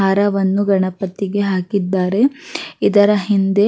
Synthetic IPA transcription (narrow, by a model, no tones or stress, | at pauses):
aːɾɐʋɐnːuɡɐɳɐpɐt̪iɡe̞ɦaːkid̪ːaːɾe̞id̪ɐɾɐɦind̪e̞